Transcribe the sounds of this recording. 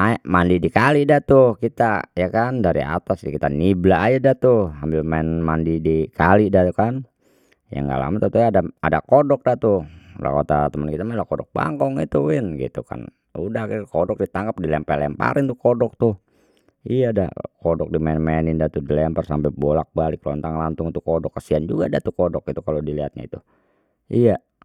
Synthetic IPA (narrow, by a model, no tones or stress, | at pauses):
amandidikalidat̪uhkit̪ajakandaɾḭa̰t̪asdikit̪aniblaajadat̪uambɪlmaɛnmandidikalidat̪ukan | ja̰ŋɡa̰la̰mat̪at̪uaːdaadakodɔk̚dat̪ula̰kot̪at̪əmənkit̪amalakodɔk̚ba̰ŋkɔŋit̪uɪnɡḭt̪ṵka̰n | udahkkodɔk̚dit̪aŋɡap̚dilɛmpɛlɛmpa̰ɾɪnt̪ukodɔk̚t̪ʊ | ijaːda̰kodɔk̚dimanmanindat̪udilɛampərsampɛbolak̚balɪklɔnt̪aŋlant̪ʊŋit̪ukodɔkːəsiand͡ʒuɡadat̪ukodɔk̚ɡit̪ukalodiliɦat̪̚ɲa̰ḭt̪u | ija